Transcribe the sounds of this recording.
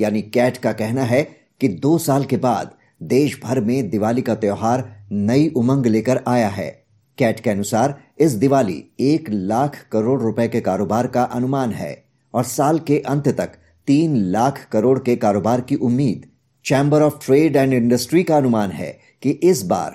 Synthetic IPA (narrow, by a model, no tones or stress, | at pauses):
jaːnikɛːʈkakɛɦnaɦɛ | kid̪oːsaːlkeba̰ːd̪ | d̪eːʃbʱɐɾmẽd̪ɪʋaːlikat̪joːɦaːɾnɐiʔʊmə̃ŋɡleːkəɾaːjaɦɛ̰ː | kɛːʈkeɐnʊsaːɾ | ɪs̬d̪ɪʋaːlḭeːklaːkʰkɐɾoːɽɾʊpəekekaːɾoːbaːɾkaʔɐnʊmaːnɦɛ̰ː | ɔːɾsaːlkeʔɐ̃nt̪ʰt̪ɐk | t̪iːnlaːkʰkɐɾoːɽkekaːɾoːbaːɾkiʔʊmːiːd̪ | t͡ʃɛ̃ːmbəɾɔːfʈɾeːɖɛ̃ːɳɖɪ̃ɳɖəsʈɾikaɐnʊmaːnɦɛ̰ | kiʔɪsba̰ːɾ